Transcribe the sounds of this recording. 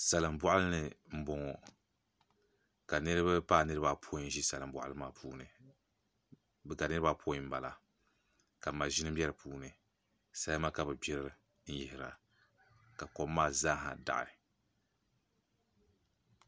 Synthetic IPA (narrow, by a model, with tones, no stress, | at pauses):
sa˨lɨ˨mbɔ˦ʔa˦lɨ˦nɨ˨m̩˦bɔ˨ŋɔ˨ | ka˨nɨ˦ɾɨ˦ba˦paː˦˨nɨ˦ɾɨ˦ba˦pʰo˦˨n˦ʒi˦sa˨lɨ˨m˦bɔ̰˨ʔa̰˦lɨ˦maː˦pʰuː˦nɨ˨ | bɛ˨ɡa˨nɨ˦ɾɨ˦ba˦pʰo˦i˨m̩˦ba˨la˨ | ka˨ma˨ʒi˦nɨ˦bjɛ˦ɾɨ˨pʰuː˦nɨ˨ | sa˦ma˦ka˨bɨ˨bɛ˦ɾɾɨ˨ | n̩˦jɪ˨hɪ˨ɾa̰˨ | ka˨kɔː˨˦aː˦˨za˦ɦa̰˨da̰˨ʔɪ̰˨